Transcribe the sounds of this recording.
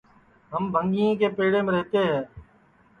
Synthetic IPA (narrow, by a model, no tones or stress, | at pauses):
ɦəmbʱəŋɡiõːkeːpeːɽeːmẽɾɛɦt̪eːɦɛ̃ː